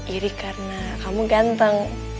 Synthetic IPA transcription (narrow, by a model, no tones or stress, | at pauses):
iɾikaɾnakamuɡant̪aŋ